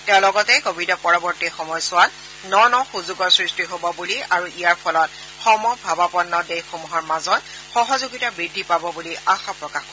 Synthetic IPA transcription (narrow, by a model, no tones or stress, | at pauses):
tɛʊ̃lɔɡɔtɛkobidɔpɔɹɔbɔɹtixɔmɔjsʊwal | nɔnɔxuzuɡɔsɹistiɦobɔbuliaɹuʔijaɹpʰɔlɔt̚ | xɔmɔbʱabapɔnːɔdejxomuɦɔɹmazɔt | xɔɦɔzuɡitabɹidʱːipabɔbuliaxapɹɔkaxkɔ